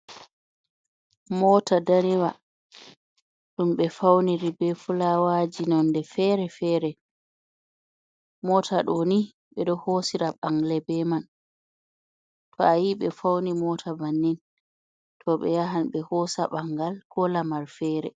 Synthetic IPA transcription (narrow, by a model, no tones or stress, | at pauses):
mɔːtʰadaɾiwa | ɗumɓɛfawniɾibɛfulawad͡ʒinɔndɛfɛːɾɛfɛːɾɛ | mɔtʰaɗoni | ɓɛɗɔhosiɾaɓaŋɡlɛbɛman | tʰɔajiɓɛfawnimɔtʰabanːin | tʰɔɓɛ̰jaɦanɓɛhɔsaɓaŋɡalkɔlamaɾfɛːɾɛ̰